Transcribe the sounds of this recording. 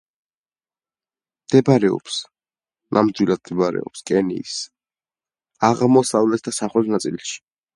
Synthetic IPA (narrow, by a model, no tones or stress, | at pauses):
md̪̥ɛbɾɛɔ̰ps | nʔamd̪wilˠad̪̚md̪ɛbaɾɛ̰ɔpskʼɛnḭːs | aʁmɔsavlɛt̪ʰd̪asaχwɛlnat̪sʼilʃi̥